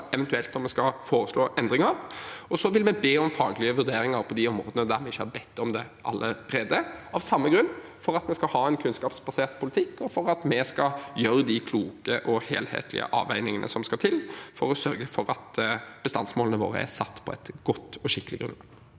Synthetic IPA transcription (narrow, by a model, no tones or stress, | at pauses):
ɛʋɛnt̪ʉɛlt̪ɔmɛskɑfoːɾəsloːʔɛnd̪ɾɪŋɑɾɔsɔʋɪlmɛbeːɔmfɑːɡlɪəʋʉɾd̪eːɾɪŋɑɾpʰɔd̪ɪɔmɾoːd̪ənəd̪æɾmɛɪçːəhɑɾbɛt̪ːɔmd̪ɛʔɑ̰lːəɾeːd̪əɑʋsɑmːəɡɾʉnːfɔɾɑt̪mɛskɑhɑːɛnkʰʉnskɑːpsbɑseːʁt̪pʰʊlɪt̪ʰɪkːɔfɔɾɑt̪mɛskɑjøːɾəd̪ɪkʰluːkəʔɔhḛːlhḛːt̪ʰlɪ̰ə̰ʔɑ̰ːʋæɪnɪŋənʔə̰sɔmskɑt̪ʰɪlːfɔɾɔsœɾɡəfɔɾɑt̪b̥əst̪ɑ̰nsmoːlənəʋo̰ːɾə̰æ̰sɑt̪ːpʰɔɛ̰t̪ɡ̥ɔt̪ːɔɕɪkːəlɪɡɾʉ̰n